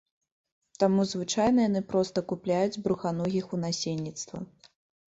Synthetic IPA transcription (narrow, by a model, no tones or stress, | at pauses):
t̪amuzvɨt͡ʂajnɐjan̪ɨpɾɔst̪ɐkuplʲajud͡zʲbɾuxanɔɣʲixunasʲenʲːit̪st̪vɐ̰